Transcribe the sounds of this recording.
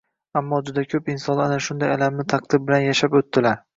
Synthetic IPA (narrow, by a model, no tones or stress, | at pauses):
amːɒd͡ʒʊd̪akʲʰɵpɪnsɒnanaʃʊnd̪ajalamnɪt̪ʰaq̚d̪̥ɪɾbɪlanjaʃapot̪ːɪlaɾ